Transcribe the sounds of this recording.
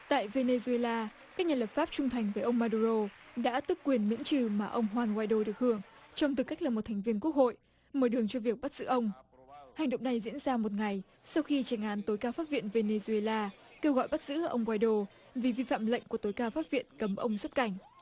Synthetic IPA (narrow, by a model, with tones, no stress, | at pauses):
t̪a̰ː˧˨jve˧ne˧zu˧e˧laː˧ | kaː˦˥k̚ɲaː˨˩ləː˨˩p̚faː˦˥p̚t͡ɕʊ˧ŋ͡mt̪ʰa˨˩jŋ̟vəː˨˦jʔə˧wŋ͡mmaː˧ɗu˧ɾo˧ | ɗa̰ː˧˥t̪ɨ˦˥k̚kːwi˨˩ənmḭ˧˥ənt͡ɕɨ˨˩maː˨˩ʔə˧wŋ͡mɦwaː˧nkwaː˧jɗo˧ɗək̚hɨ˧˩əŋt͡ɕɔ˧wŋ͡mt̪̬ɨ˨˩ka˦˥jk̚laː˨˩m˨˩t̪ʰŋ̟vi˧ənku˦˥k̚ho̰˧˨j | məː˨˦jɗɨ˨˩əŋt͡ɕɔ˧vi˨˩ək̚ɓa˦˥t̚zɨ̰˧˥ʔə˧wŋ͡m | ha˨˩jŋ̟ɗə̰˧˨ŋ͡mna˨˩jzḭ˧˥ənzaː˧mo˨˩t̚ŋa˨˩j | sa˧wxi˧t͡ɕɛ˨˩ŋʔaː˨˦nt̪o˨˦jkaː˧wfa˦˥p̚vḭ˧˨ənve˧ne˧zu˧e˧laː˧ | ke˧wɣɔ̰˧˨jɓa˦˥t̚zɨ̰˧˥ʔə̰˧wŋ͡mkwaː˧jɗo˧ | vi˨˩vi˧fa̰ː˧˨mlə̰˧˨jŋ̟ku˧˩ət̪o˨˦jkaː˧˩wfaː˦˥p̚vḭ˧˨ənkə˨˦mʔə˧wŋ͡mswə˦˥t̚ka˨˧˩jŋ̟